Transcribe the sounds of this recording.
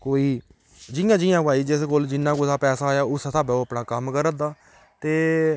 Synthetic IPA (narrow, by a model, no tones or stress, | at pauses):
koːiː | d͡ʒɪjãːd͡ʒɪjãːbaːiːd͡ʒɪskoːld͡ʒɪnːãːkoːsaːpɛːsaːjaːʊst̪aːbaːoːpnaːkəmkəɾəd̪aː | t̪eː